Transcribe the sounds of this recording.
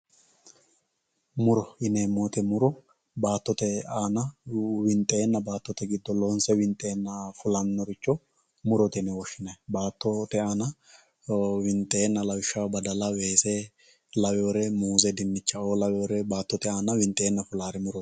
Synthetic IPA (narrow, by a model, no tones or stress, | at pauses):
mʊɾɔɪneːmːoːt̪ɛmʊɾɔ | baːt̪ːɔt̪ɛaːnɐwɪnt̪ʼːeːnːɐbaːt̪ːɔt̪ɛɡɪd̪ːɔlɔːnsɛwɪnt̪ʼeːnːɐfʊlɐnːɔɾɪt͡ʃːɔ | mʊɾɔt̪ɛnɛwɔʃːɪnɐbaːt̪ːɔt̪ɛaːnɐ | wɪnt̪ʼːeːnːɐlɐwɪʃːɐwɐbɐd̪ɐlɐwe̞ːse | lɐwɛɔɾɛmuːzɛd̪ɪnːɪt͡ʃːɐoːlɐwoɾɛbaːt̪ːɔt̪ɛaːnɐwɪnt̪ʼːe̞ːnːɐfʊlaːɾɛmʊɾɔ